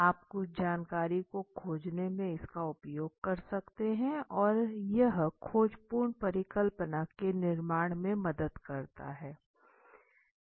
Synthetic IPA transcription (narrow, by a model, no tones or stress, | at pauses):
aːpkod͡ʒaːnkaːɾikokʰoːd͡ʒnemẽɪskaʊpjoːɡ̚kɐɾsɐkt̪eɦɛ̃ɔːɾjɐɦkʰoːd͡ʒpuːɾɳpɐɾɪkəlpənakenɪɾmaːɽ̃mẽmɐd̪əd̪kɐɾt̪a̰ɦɛː